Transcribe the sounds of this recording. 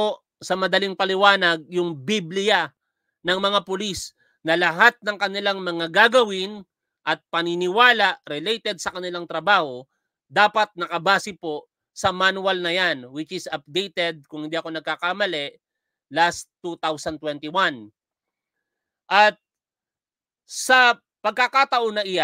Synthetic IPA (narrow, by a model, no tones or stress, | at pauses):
o | sɐmɐd̪ɐliŋpɐlɪwaːnɐɡ̚jʊŋbiblɪja | nɐŋmɐŋapʊlis | nɐlɐɦat̪̚nɐŋkɐnɪlaŋmɐŋaɡaːɡɐwɪn | ʔɐt̪̚pɐnɪnɪwaːlaʔɾɛlejt̪ɛd̪̚sɐkɐnɪlaŋt̪ɾɐbaːho̞ | d̪aːpɐt̪̚nɐkɐbaːsɪpo̞ | sɐmanwɐlnɐjanwɪt͡ʃɪsɐp̚d̪ejt̪ɛd̪̚kʊŋhɪ̃nd̪iːʔɐko̞nɐɡ̚kakamɐlɛʔ | last̪ːut̪awsɐnt̪wɛnt̪ɪwan | ʔɐt̪̚ | sɐ | pɐɡ̚kɐkat̪ɐʔonɐʔɪja